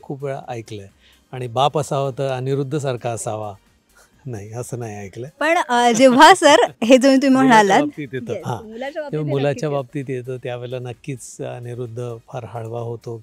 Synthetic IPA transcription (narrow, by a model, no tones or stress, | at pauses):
kʰuːpʋeɭa̰ʔajklə | aɽ̃ibapəsaʋət̪əːaniɾud̪ʱːəs̬aɾkʰaːsaʋa | naɦiəsəːnaɦiajkləpəɳd͡ʑeʋ̤asəɾɦed͡zəm̤iːt̪um̤iːm̤əɽalat̪̚it̪jet̪əɦãkeʋamulat͡ɕjabap̚t̪iːt̪jet̪əːt̪jaʋelanəkːiːt͡sə̰niɾud̪ʱːəfʰaɾɦaɽʋaɦot̪o